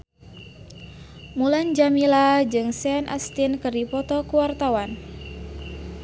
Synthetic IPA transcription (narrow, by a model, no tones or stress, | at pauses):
muland͡ʒamilad͡ʒɨŋsɛanʔa̰st̪inkɨrdipɔt̪ɔkuwart̪awan